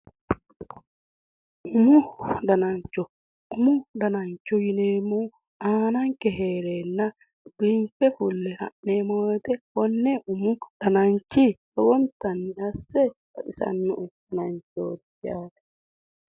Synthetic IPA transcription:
ʔumudanaɲt͡ʃɔ | ʔumudanaɲt͡ʃɔjinemu | ʔaːnaŋkɛɦɛɾɛnːa | b̥infɛfulːɛha̰ʔːɛmɔjt̪ɛwɔnːɛʔumud̥anaɲt͡ʃiɗɔwɔnt̪anːihasːɛwa̰ɗisa̰nːuʔudanaɲt͡ʃo̰did͡ʒaːɗɛ

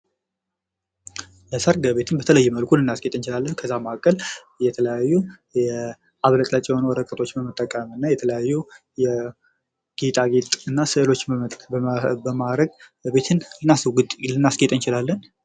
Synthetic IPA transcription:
ləsəɾɡəβe̞t̪ʰɨnbət̪ʰələjːɛməlkʰulɨnːasɡʼet̪ʼɨnt͡ʃɪlalːənkʰəzːamakʼːəl | jɛt̪ʰələjajːu | jɛ | ʔaβlək̪ʼlat͡ʃʼɛhonwɔɾəkʼət̪ʼo̞t͡ʃːbəmət̪ʼːəkʼːəmɨnːajɛt̪ʰələjajːu | jɛ | ɡ̥et̪ʼaɡet̪ʼɨnːasɨlo̞t͡ʃː | bəmaɾəɡ | be̞t̪ʰɨnlɨnːaslɨnːasɡet̪ʼɨnt͡ʃɪlalːən

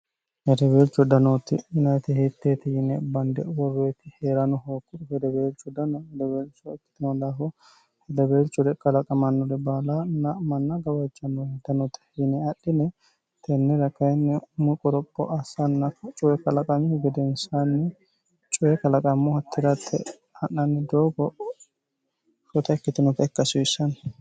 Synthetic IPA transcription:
hɛd̪ɐbeːlt͡ʃːɔd̪ɐnoːt̪ɪjʊnɐjt̪ɪhɪt̪ːeːt̪ɪjɪnɛbɐnd̪ɛwɔɾːeːt̪ɪheːɾɐnɔhoːkːʊhɛd̪ɐbeːlt͡ʃːɔd̪ɐnɔhɛd̪ɐbeːlt͡ʃːɔɪkːɪ̥t̪ɪnɔd̪aːfɔ | hɛd̪ɐbeːlt͡ʃːɔd̪ɛkʼɐlɐkʼɐmɐnːɔɾɛbaːlanɐmɐnːɐɡɐwɐt͡ʃʼːɐnːɔɛd̪ɐnoːt̪ːɪ̥ɪnɛɐɗːɪnɛ | t̪ʰɛnːɛɾɐkɐjnːɛmʊkʼɔɾɔpʼːɔ̰ʔɐsɐnːɐt͡ʃʼʊwɛkɐlɐkʼɐmɪʊɡɛd̪ɛnsanːɛ | t͡ʃʼʊwɛkɐlɐkʼɐmːɔhɐt̪ʰːɪɾɐt̪ʰːɛ̰ | hɐnːɐnːɛd̪oːɡɔ | ɾɔt̪ɐɛkːɪt̪ɪnɔkɛkːɐsʊɪsɐn

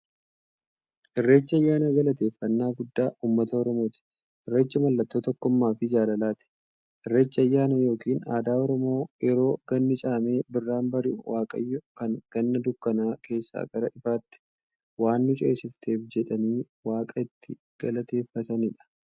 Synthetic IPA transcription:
ʔɪrːe̞ːt͡ʃːɪɐjːaːnɐɡɐlɐt̪e̞ːfːɐnːaːɡʊd̪ːaːʔuːmːɐt̪ɐɔɾɔmoːt̪ɪ̥ | ʔɪrːeːt͡ʃːɐmɐlːɐt̪ːoːt̪ɔkːɔmːaːfɪd͡ʒaːlɐlaːt̪ɪ̥ | ʔɪrːe̞ːt͡ʃːɪɐjːaːnɐjo̞ːkiːnaːd̪aːɔɾɔmo̞ːjɛɾo̞ːɡ̥ɐnːɪt͡ʃʼaːme̞ːbɪrːaːnbɐɾɪʔʊwaːkʼɐ̰jːɔkɐŋɡ̥ɐnːɐd̪ʊkːɐnaːkʰe̞ːsːa̰ːɡ̥ɐɾɐʔɪfaːt̪ːɪ̥ | waːnːʊt͡ʃʼeːsɪft̪ʰe̞ːfd͡ʒɛᶑɐniː | waːkʼɐɪt̪ːɪ | ɡ̥ɐlɐt̪e̞ːfːɐt̪ɐnɪᶑɐ̥

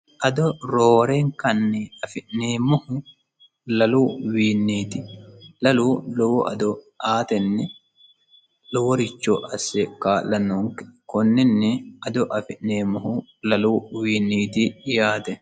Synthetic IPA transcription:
ʔɐd̪ɔɾoːɾeŋkɐnːɛɐfɪʔneːmːɔhʊ | lɐluːwiːnːiːt̪ɪlɐluːlɔwɔʔɐd̪ɔʔaːt̪ɛnːɛ | lɔwɔɾɪt͡ʃːoʔɐsːɛkaːlɐnːoːŋkɛ̥kɔnːɛnːɛɐd̪ɔʔɐfɪʔneːmːɔhʊ | lɐluːwiːnːiːt̪ɪjaːt̪ɛ

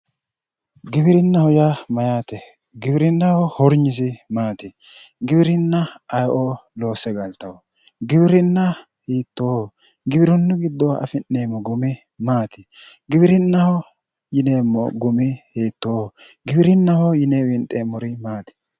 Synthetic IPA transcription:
ɡɪbɪɾɪnːɐhɔjamɐjaːt̪ɛ | ɡɪbɪɾɪnːɐhɔhɔɾɲɪs̬ɪmaːt̪ɪ | ɡɪbɪɾɪnːɐɐjʔoloːsɛɡɐlt̪ɐwɔ | ɡɪbɪɾɪnːɐ | hiːt̪ːo | ɡɪbɪɾʊnːʊɡɪd̪ːɔɐ̰fɪnːeːmːɔɡʊmɪ | maːt̪ɪ | ɡɪbɪɾɪnːɐhɔ | jɪneːmːɔɡʊmɪheːt̪ːo | ɡɪbɪɾɪnːɐhɔjɪneːwɪnt̪ʼeːmːɔɾɪmaːt̪ɪ̥

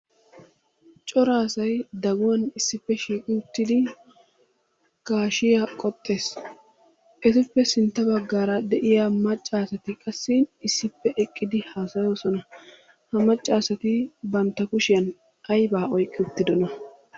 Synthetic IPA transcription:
t͡ʃʼɔɾaːsɐjd̪ɐɡʊwɐnɪsːɪpːɛʃiːkʼɪʊt̪ːɪd̪ɪ | kaːʃɪjakʼɔt̪ʼːe̞ːs | ʔɛt̪ɪpːɛsɪnt̪ːɐbɐɡːaːɾɐd̪ɛʔɪjaːmɐt͡ʃʼːaːsɐt̪ɪkʼɐsːɪnɪsːɪpːɛʔɛkʼːɪd̪ɪhaːsɐjo̞ːsɔnɐ | hɐmɐt͡ʃʼːaːsɐt̪ɪbɐnt̪ːɐkʊʃɪjɐn | ʔɐjbaːʔɔjkʼːɪʊt̪ːɪd̪ɔnɐ

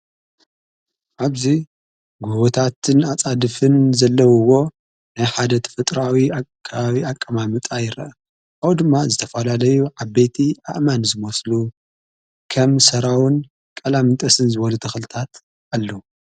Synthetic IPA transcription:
ʕaβzi | ɡuβot̪ʰat̪ʰɨnat͡sʼad̪ɨfɨnzɐlːɐwɨwo̞ | najħad̪ɐt̪ʰɐ̥fɨt̪ʼɾawiakʰːaβaβiakʼːɐmamɨt̪ʼajɪɾɐ̰ʔɐ | ʔawd̪ɨmːazɨt̪ʰɐfɐlalɐjuʕabːejt̪ʰiʔa̰ʔmanzɨmoslu | kʰɐmsɐɾawɨn | kʼɐlamɨnt̪ʼɐsɨnzɨβɐlut̪ʰɐxlɨt̪ʰat̪ | ʔalːɐwu

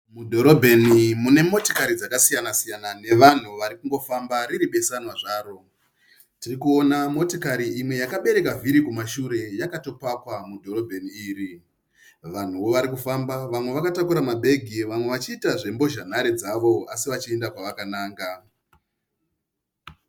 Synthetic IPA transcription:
mudʱo̞ɾo̞bʱe̞nimune̞mo̞to̥kaɾid͡zakasijanasijanane̞ʋan̤uʋaɾikuŋɡo̞fambaɾiɾiɓe̞sanwaʐaːɾo̞ | tirikuo̞namo̞tokaɾiimwe̞jakaɓe̞ɾe̞kaviɾikumaʃuɾe̞jakato̞pakwamudʱo̞ɾo̞bʱe̞niiːri | ʋan̤uʋo̞ʋaɾikufambaʋamwe̞ʋakatakuɾamabʱe̞ɡʱiʋamwe̞ʋat͡ʃiːtaʐe̞mbo̞ʒan̤aɾe̞d͡zaʋo̞asiʋat͡ʃie̞ndakwaʋakanaːŋɡa

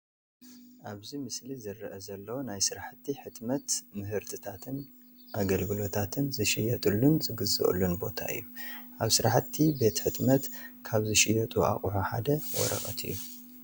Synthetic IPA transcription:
ʔaβzimɨslizɨrːɐʔɐzɐlːɐwonajsɨɾaħɨt̪ʰːiħɨt̪mɐt̪mɨɦɨɾt̪ʰɨt̪ʰat̪ʰɨn | ʔaɡɐlɡɨlo̞t̪ʰat̪ʰɨnzɨʃɪjɐt̪ʼulːunzɨɡɨzɨ̰ʔʼɨ̰lːunbo̞t̪ʰa̰ɨ̰jːuʔaβsɨɾaħt̪ʰːibe̞t̪ħɨt̪mɐt̪kʰaβzɨʃɪjɐt̪ʼua̰kʼuħuħa̰d̪ɐwɔ̰ɾɐ̰χʼɐ̰t̪ʰɨ̰jːu

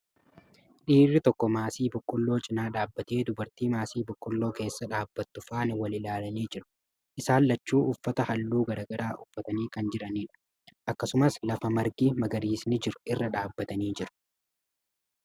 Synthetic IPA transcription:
ᶑiːrːɪt̪ɔkːɔmaːsiːbʊkʼːʊlːoːt͡ʃʼɪnaːᶑaːbːɐt̪eːd̪ʊbɐɾt̪iːmaːsiːbʊkʼːʊlːo̞ːke̞ːsːɐᶑaːbːɐt̪ːʊfaːnwɐlɪlaːlɐniːd͡ʒɪɾʊ̥ | ʔɪsaːlːɐt͡ʃːuːʔʊfːɐt̪ɐhɐlːuːɡɐɾɐɡɐɾaːʔʊfːɐt̪ɐniːkɐnd͡ʒɪɾɐniːᶑʊ̥ | ʔɐkːɐsʊmɐslɐfɐmɐɾɡiːmɐɡɐɾiːsnɪd͡ʒɪɾʊ̥ɪrːɐᶑaːbːɐt̪ɐniːd͡ʒɪɾʊ̥

